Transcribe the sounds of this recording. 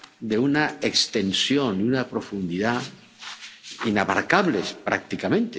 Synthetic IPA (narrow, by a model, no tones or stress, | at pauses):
d̪eunaekst̪ensjonunapɾofund̪iða | inaβa̰ɾkaβlespɾʔa̰k̚t̪ikamẽnt̪e